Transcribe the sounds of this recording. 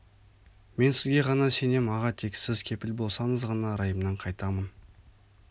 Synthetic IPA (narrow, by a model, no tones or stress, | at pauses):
me̞nsɪzɡʲe̞ʁɑnɑse̞ne̞mɑʁɑt̪ʰe̞ksɪzkʲʰe̞pɪlbo̞lˠsɑɴəzʁɑnɑɾɑjəmnɑɴqʰɑjt̪ɑmən